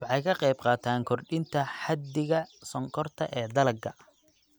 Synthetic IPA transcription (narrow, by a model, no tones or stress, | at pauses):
wɑħɑjkʰɐqɛjb̚qɑːt̪ʰaːŋkʰɔrɖɪnt̪ʰɐħɑd̪ɪɣɐsɔŋkʰɔrt̪ʰɐ̰ʔɛːd̪ɐlɐɡɐ̰